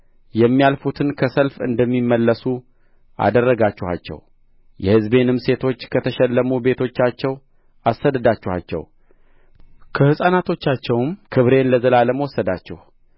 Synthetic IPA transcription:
jɛmːijalfut̪ʰɨnkʰəsəlfɨ̰nd̪əmːimːəlːəsu | ʔa̰d̪ərːəɡat͡ʃːɛha̰t͡ʃːɛ̰w | jɛhɨzbe̞nɨmse̞t̪ʰo̞t͡ʃːkʰət̪ʰəʃɛlːəmube̞t̪ʰo̞t͡ʃːat͡ʃːɛw | ʔasːəd̪əd̪at͡ʃːɛha̰t͡ʃːɛ̰w | kʰəhɨsʼanat̪ʰo̞t͡ʃːat͡ʃːɛwmkʰɨβɾe̞nləzəlaləməwɔsːəd̪a̰t͡ʃːɛ̰h

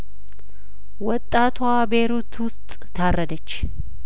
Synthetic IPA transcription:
wɔt̪ʼːat̪ʰwabeɾut̪wʊst̪ʼʰː | arːəd̪ət͡ʃː

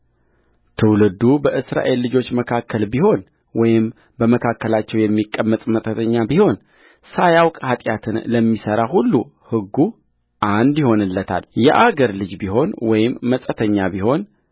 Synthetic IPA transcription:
t̪ʰɨwlɨd̪ubəʔɨsɾa̰ʔe̞lːɨd͡ʒo̞t͡ʃːməkʰakʰːəlbiho̞n | wɔjɪm | bəməkʰakːəlat͡ʃːɛwjɛmːikʼːəmːət̪ʼmət̪ʼət̪ʰəɲːabiho̞n | sajawkʼhat̪ʼjat̪ʰɨnləmːisəɾahulːu | hɨɡːu | ʔand̪jɪho̞nɨlːət̪ʰa̰ljɛʔaɡəɾlɨd͡ʒbiɦo̞nwɔjɪmːəsʼət̪ʰəɲːabiho̞n

